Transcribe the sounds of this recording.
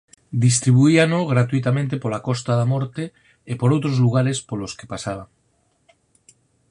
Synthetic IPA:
d̪is̬t̪ɾiβ̞uianoɣɾat̪uit̪amẽnt̪epolakost̪aðamoɾt̪e | epoɾowt̪ɾozluɣ̞aɾespoloskepasaβ̞aŋ

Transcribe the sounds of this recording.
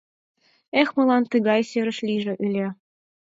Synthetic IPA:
exmɤ̆lˠɑnt̪ɨɣɑjseɾə̆ʃlʲiʒĕʔylʲĕ

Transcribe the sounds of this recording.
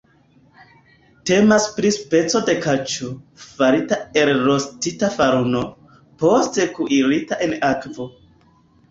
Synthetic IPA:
te̞maspɾispe̞t͡so̞de̞kat͡ʃofaɾitaeɾɾo̞stitafaɾuno̞ | po̞ste̞kuʔiɾitaʔe̞nakvo̞

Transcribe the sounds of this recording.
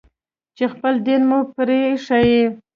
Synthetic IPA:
t͡ʃexpəld̪enmupɾeʂaji

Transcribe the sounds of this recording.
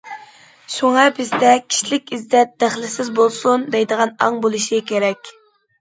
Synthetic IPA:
ʃuŋɑbɪzd̪ɛkʲʰi̥ʃlɪkʲizd̪ɛt̪̚d̪̥æχlɪsɪzbolˠsund̪ɛjd̪əʁɑnɑŋbolˠuʃikʲʰeɾɛkʲ

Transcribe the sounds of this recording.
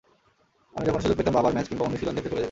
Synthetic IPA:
amid͡ʑɛkʰonʃud̪ukpet̪ambabaɾmɛt͡ɕkinbaoniʃilonet̪ekoɾed̪e

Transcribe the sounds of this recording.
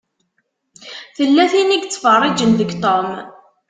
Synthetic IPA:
θəlːæθiniɡt͡sːfərˤːɪd͡ʒənðəɡt̪ˤom

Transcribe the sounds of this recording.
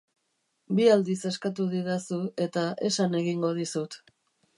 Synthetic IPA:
biald̪ise̞skat̪uðiðasue̞t̪aʔe̞sane̞ɣiŋɡo̞ð̞isut̪

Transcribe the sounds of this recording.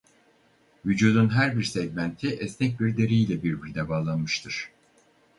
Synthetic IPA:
vyd͡ʒuːd̪unɦæɾbiɾsɛɟmænt̪ʰiʔɛsnɛc̚biɾd̪e̞ɾeilʲɛbiɾbilʲd̪ɛbaːlˠanmɯʃt̪ʰɯɾ̥

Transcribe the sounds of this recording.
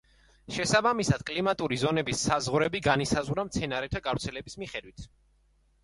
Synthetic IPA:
ʃɛsabamisad̪̥kʼlimat̪ʼuɾizɔnɛbisːazʁɾɛbiɡanisazʁɾamt̪sʰɛnaɾɛt̪ʰaɡavɾt̪sʰɛlɛbismiχɛd̪wit̪ʰ

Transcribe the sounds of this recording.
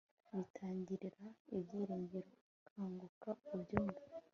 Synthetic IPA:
βitʰaːɲɟiɾiɾaibɟiːɾeːɲɟeɾo̞ | kʰaːŋɡukaubɟoːmɡa

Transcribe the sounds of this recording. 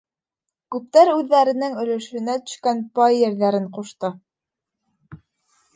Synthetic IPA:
kʉp̚t̪æɾʉðːæɾɘ̆nɘŋɵ̆lɵ̆ʃɵ̆næt̪ɵ̥̆ʃkænpɑjːɘ̆ɾðæɾɘɴquʃt̪ɤ

